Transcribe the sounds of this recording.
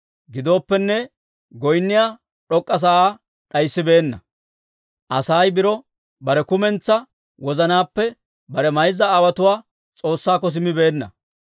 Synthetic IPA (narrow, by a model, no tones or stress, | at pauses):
ɡɪd̪o̞ːpːɛnːɛ | ɡɔjnːɪjaː | ᶑɔkʼːɐs̬aːaː | ɗɐjsːɪbe̞ːnːɐ̰ | ʔɐsaːjbɪɾɔ | bɐɾɛkʊmɛnt͡sːɐ | wɔzɐnaːpːɛ | bɐɾɛmɐjzɐaːwɐt̪ʊwaː | t͡sʼo̞ːsːaːkɔs̬ɪmɪbe̞ːnːɐ̰